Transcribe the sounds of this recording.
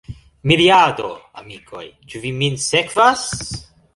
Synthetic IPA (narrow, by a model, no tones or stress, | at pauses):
miɾiad̪o̞̰a̰mikʰo̞̰jt͡ʃuviminsekvas